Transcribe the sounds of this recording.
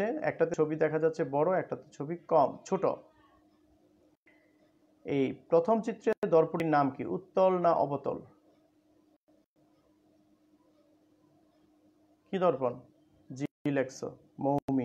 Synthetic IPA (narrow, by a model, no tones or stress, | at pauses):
eɛ̰k̚ʈat̪eobid̪ɛkʰad͡ʑatːɕʰebɔɽoɛk̚ʈat̪et͡ɕʰobikɔmt͡ɕʰoʈo̰ | ejpɾot̪ʰomt͡ɕit̪ːɾed̪ɔɾpuɾiɾnamkḭʔut̪ːolnaʔɔ̰bot̪o̰l | kid̪ɔɾpon | d͡ʑilekso̰ | momi